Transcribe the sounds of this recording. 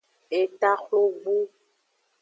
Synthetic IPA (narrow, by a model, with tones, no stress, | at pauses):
e˨ta˦xlo˦vu˦